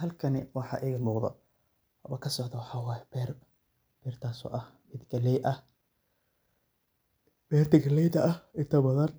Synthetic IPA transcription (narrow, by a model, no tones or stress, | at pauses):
ɦɐlkʰɐnɪwɑħɑ̰ːʔɪɣɐmuːqðɔ̰ | hɐβɐkʰɐsɔʕðɐwɑħɑːwɑːjɛbɛːr | b̥ɛːrt̪ʰaːsɔ̰ːʔɐh | mɪd̪ɡɐlɛjʔɐh | b̥ɛːrt̪ʰɐɡɐlɛjt̪ɐʔɐhɪnt̪ʰɐbɐðɐn